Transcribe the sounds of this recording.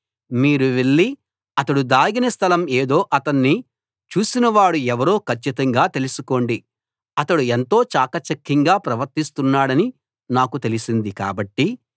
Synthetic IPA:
miːɾuʋe̞ɭːi | ɐt̪ɐɽud̪aːɡinɐst̪ʰɐlɐmeːd̪o̞ːʔɐt̪ɐnːi | t͡ʃuːsinɐʋaːɽuɛʋɐɾo̞ːkɐt͡ʃːit̪ɐŋɡaːt̪e̞lusuko̞ːɳɖi | ɐt̪ɐɽuent̪o̞ːt͡ʃaːkɐt͡ʃɐkːiŋɡaːpɾɐʋɐɾt̪ist̪unːaːɽɐni | naːkut̪e̞lisind̪ika̰ːbɐʈːi

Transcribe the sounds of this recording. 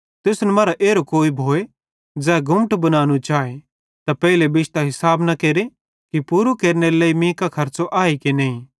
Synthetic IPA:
t̪ɪsnɛmaːɾaʔeːɾokoːibʱoːe | d͡zɛːɡʱʊməʈbɐnaːnut͡ʃaːe | t̪apɛːɪlebɪʃt̪aɦɪsaːbnɐkeːɾe | kipuːɾukeːɾneɾelɐːimĩːkakʰɐɾt͡ʃoʔaːikeneːĩ

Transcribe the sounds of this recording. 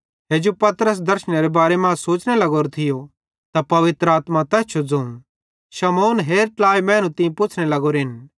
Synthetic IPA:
ɦeːd͡ʒopɐt̪ɾəs̬d̪ɐɾʃəñeɾebaːɾemãːsoːt͡ʃɽelɐɡoːɾt̪ʰɪjo | t̪apɐʋɪt̪ɾəaːt̪mat̪ɛːt͡ʃʰod͡zɐ̃ũ | ʃɐmoːnɦeːɾʈlaːjmɛ̃ːnũt̪ɪ̃ĩpʊt͡ʃʰnelɐɡoɾɦɪn

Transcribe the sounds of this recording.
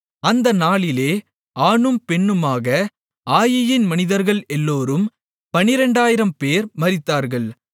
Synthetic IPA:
ɐnd̪ɐnaːɭɪleː | aːnɯmpɛɳːɯmaːɣɐ | aːjɐjɪnmɐnɪðɐɾɣɐɭɛlːoːɾɯm | pɐnɪɾɛɳɖaːjɪɾɐmpeːɾmɐɾɪt̪ːaːɾɣɐɭ

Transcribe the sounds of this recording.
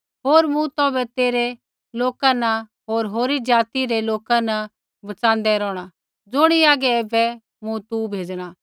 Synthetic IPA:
ɦoːɾmũt̪ɔːbɛt̪eːɾe | loːkanɐɦoːɾɦoːɾid͡ʒaːt̪iɾeloːkãnɐ | bɐt͡sãːn̆d̪ɛɾɔ̃ːɽ̃a | d͡zʊɽ̃iaːɡɛɛːbɛ | mũt̪ubʱeːd͡ʒɽ̃aː

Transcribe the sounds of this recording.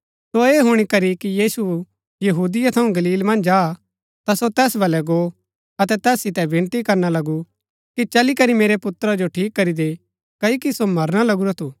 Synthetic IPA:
soeːɦʊɽ̃ikɐɾikijiːsu | jɐɦuːd̪ɪjat̪ʰɐũɡɐliːlmɐ̃nd͡ʒaː | t̪asot̪ɛːsbʱɐlɛɡo | ɐt̪ɛt̪ɛːsːɪt̪ɛbʱɪ̃nt̪ikɐɾnalɐɡu | kit͡ʃɐlikɐɾimeːɾepʊt̪ɾad͡ʒoʈʰiːkːɐɾid̪e | kɐikisomɐɾɽ̃alɐɡuɾat̪ʰuː

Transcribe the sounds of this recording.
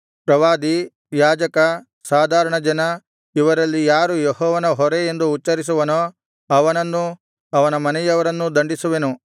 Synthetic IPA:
pɾɐʋaːd̪i | jaːd͡ʒɐkɐ | saːd̪ʱaːɾɐɳɐd͡ʒɐnɐ | iʋɐɾɐlːijaːɾujeɦɔːʋɐnɐɦɔɾeend̪uːtːt͡ʃːɐɾis̬uʋɐno | ɐʋɐnɐnːu | ɐʋɐnɐmɐnɛjɐʋɐɾɐnːud̪ɐɳɖisuʋenu

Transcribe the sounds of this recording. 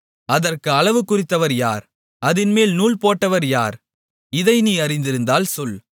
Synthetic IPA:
ɐðɐrkɯɐɭɐʋɯkːʊrɪt̪ːɐʋɐɾjaːɾ | ɐðɪnmeːlnuːlpoːʈːɐʋɐɾjaːɾ | ɪðɐɪniːɐrɪnd̪ɪɾɯnd̪aːlsɔl

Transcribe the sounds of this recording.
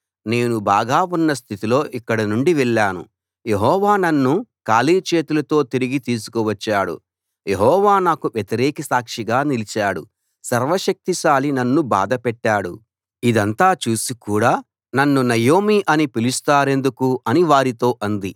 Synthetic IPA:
ne̞ːnubaːɡaːunːɐs̬t̪ʰit̪ilo̞ːʔikːɐɽɐnuɳɖiʋɛɭːaːnṵ | je̞ɦɔːʋaːnɐnːukaːliːt͡ʃe̞ːt̪ulɐt̪o̞ːt̪iɾiɡit̪iːs̬u̥kuʋɐt͡ʃːaːɽṵ | je̞ɦɔːʋaːnaːkuʋjet̪iɾɛːkɐsaːkʂiɡaːnilit͡ʃaːɽṵ | sɐɾʋɐʃɐk̚t̪iʃaːlinɐnːuba̰ːd̪ɐpɛʈːaːɽṵ | id̪ɐnt̪aːt͡ʃuːsikuːɽaː | nɐnːunɐjoːmiʔɐnipilist̪aːɾe̞nd̪ukuɐniʋaːɾit̪o̞ːʔɐnd̪i

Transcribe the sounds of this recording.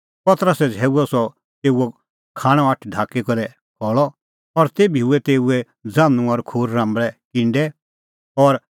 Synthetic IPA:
pɐt̪əɾəsɛd͡zʱɛːuɔsɔ | t̪eːuɔ | kʰaːɽ̃ɔ̃ɐʈʰɖʱaːkikɔɾɛ | kʰɔːɭɔ | ɔɾt̪eːbʱiuɛt̪eːuɛ | d͡zãːnũɔɾkʰoːɾːãːmbɭɛkɪ̃ɳɖɛ | ɔɾ

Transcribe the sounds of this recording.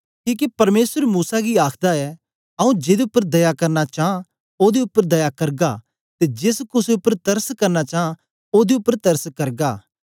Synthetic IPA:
kiːk̬ipɐɾmeːsəɾmuːsaɡiaːkʰd̪aɛ | ɐũd͡ʒeːd̪eʊpːəɾd̪ɐjakɐɾnat͡ʃaːã | oːd̪eʊpːəɾd̪ɐjakɐɾɡa̰ | t̪ed͡ʒɪskʊseʊpːəɾt̪ɐɾskɐɾnat͡ʃaːã | oːd̪eʊpːəɾt̪ɐɾskɐɾɡaː

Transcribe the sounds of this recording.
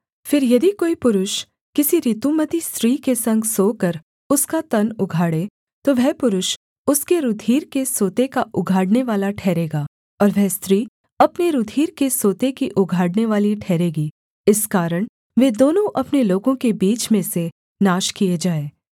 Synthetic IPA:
fɪɾjɐd̪ikoːipʊɾʊʃ | kɪsiɾit̪umət̪ist̪ɾiːkesɐ̃ŋɡsoːkəɾ | ʊskat̪ɐnʊɡʱaːɽe | t̪oʋɛɦpʊɾʊʃ | ʊskeɾʊd̪ʱiːɾkesoːt̪ekaʔʊɡʱaːɽneʋaːlaʈʰɛːɾeːɡaː | ɔːɾʋɛɦst̪ɾiː | ɐpneɾʊd̪ʱiːɾkesoːt̪ekiʔʊɡʱaːɽneʋaːliʈʰɛːɾeːɡiː | ɪskaːɾəɽ̃ | ʋeːd̪oːnõʔɐpneloːɡõkebiːt͡ʃmẽse | naːʃkijed͡ʒaːeː

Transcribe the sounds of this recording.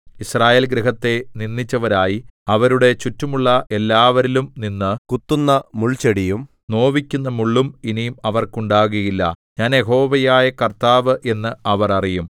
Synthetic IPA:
israːje̞ːlɡɾiɦɐt̪ːe̞ninːit͡ɕːɐʋɐɾaːjiɐʋɐɾuɽe̞t͡ɕutːumuɭːɐʔe̞lːaːʋɐɾilumninːɨkut̪ːunːɐmuɭt͡ɕeɽijum | no̞ːʋikʲːunːɐmuɭːuminijumɐʋɐrkuɳɖaːɣɐjilːɐ̰ | ɲaːnjeɦo̞ːʋɐjaːjɐkɐrt̪aːʋɨʔe̞nːɨɐʋɐrɐrijum

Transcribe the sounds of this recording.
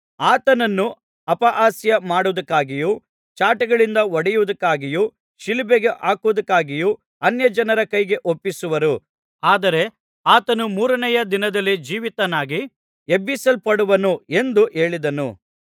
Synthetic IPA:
aːt̪ɐnɐnːu | ɐpɐʔaːsjɐmaːɽud̪ɐkːaːɡijuː | t͡ʃaːʈɐɡɐɭind̪ɐɔɽɛjuʋud̪ɐkːaːɡijuː | ʃilibeɡeʔaːkuʋud̪ɐkːaːɡiju | ɐnjɐd͡ʒɐnɐɾɐkɐjɡe̞ʔopːisuʋɐɾu | aːd̪ɐɾe̞ | aːt̪ɐnumuːɾɐnɛjɐd̪inɐd̪ɐlːid͡ʒiːʋit̪ɐnaːɡi | ebisɐlpɐɽuʋɐnue̞nd̪uʔe̞ːɭid̪ɐnṵ

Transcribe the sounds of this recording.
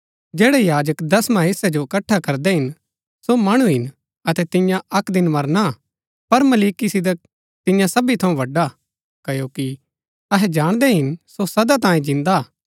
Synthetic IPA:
d͡ʒɛːɽɛjaːd͡ʒəkd̪ɐsmɐɦesɛd͡ʒoɪkɐʈʰːakɐɾd̪ɛɦɪn | somaːɽ̃uɦɪn | ɐt̪ɛt̪ɪ̃jãɐkd̪ɪnmɐɾna | pɐɾmɐliːkisɪd̪ək̚ | t̪ɪjãsɐbit̪ʰɐũʋɐɖːa | kjoːki | ɐɦɛd͡ʒaːɽ̃d̪ɛɦɪnsosɐd̪at̪ãːjĩd͡ʒɪ̃nd̪a

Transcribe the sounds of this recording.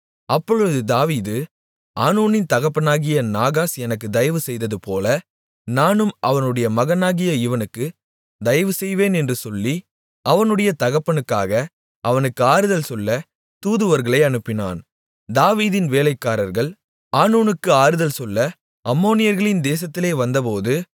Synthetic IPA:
ɐpːɔɭɯðɯd̪aːʋiːðɯ | ʔaːnuːnɪnt̪ɐɣɐpːɐnaːɣɪjɐnaːɣaːsɛnɐk̬ːɯd̪ɐjɐʋɯsɛjðɐðɯpoːlɐ | naːnɯmʔɐʋɐnɯɽɐjɐmɐɣɐnaːɣɪjɐɪʋɐnɯkːɯ | d̪ɐjɐʋɯsɛjʋeːnɛndrɯsɔlːi | ʔɐʋɐnɯɽɐjɐt̪ɐɣɐpːɐɳɯkːa̰ːɣɐ | ʔɐʋɐnɯkːɯaːɾɯðɐlsɔlːɐ | t̪uːðɯʋɐɾɣɐɭɐɪɐnɯpːɪna̰ːn | d̪aːʋiːðɪnʋeːlɐɪkːaːɾɐɾɣɐɭ | aːnuːnɯkːɯaːɾɯðɐlsɔlːɐ | ʔɐmːoːnɪjɐɾɣɐɭɪnd̪eːs̬ɐt̪ːɪleːʋɐnd̪ɐpoːðɯ

